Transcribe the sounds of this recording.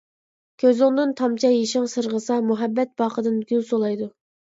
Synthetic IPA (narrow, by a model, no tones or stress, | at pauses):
kʲʰøzʊŋd̪ɨnt̪ʰɑmt͡ʃʰɑjeʃɪŋsɨɾʁəsɑmuɦɛbːɛt̪̚b̥ɑːqəd̪ɨnɡʲylsolˠɑjd̪u